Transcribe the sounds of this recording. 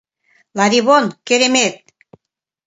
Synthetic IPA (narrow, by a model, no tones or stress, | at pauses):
lɑɾiβonkeɾemet̪̚